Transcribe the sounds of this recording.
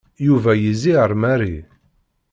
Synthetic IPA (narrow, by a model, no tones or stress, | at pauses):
juvæjiziəɾˤmæɾi